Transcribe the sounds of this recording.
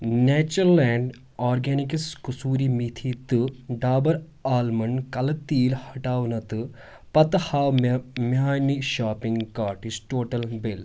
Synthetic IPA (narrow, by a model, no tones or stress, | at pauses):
neːt͡ʃɐɾlɛːɳɖ | aːɾɡeːnikiskusuːɾimit̪ʰit̪ɨɖaːbɐɾ | aːlmɐɳkɐlɐt̪iːlhɐʈaːʋnɐt̪ɨ | pɐt̪ɐhaːwmaːniʃaːpiŋɡkaːɾʈisʈoːʈɐlbɪl